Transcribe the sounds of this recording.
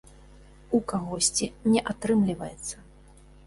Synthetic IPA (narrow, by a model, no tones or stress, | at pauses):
ukaɣɔsʲt͡sʲinʲɛʔat̪ɾɨmlʲivɐjɛt̪sːɐ